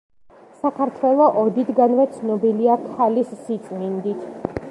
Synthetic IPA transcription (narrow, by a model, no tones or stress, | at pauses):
sakʰaɾt̪ʰwɛlˠɔʔɔd̪it̪ʰɡanvɛt̪sʰnɔbiliakʰalisːit̪sʼmind̪it̪ʰ